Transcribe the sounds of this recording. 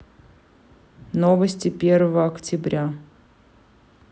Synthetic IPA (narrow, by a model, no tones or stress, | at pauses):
novəsʲtʲɪpʲervəvəɐktʲɪbɾʲʔa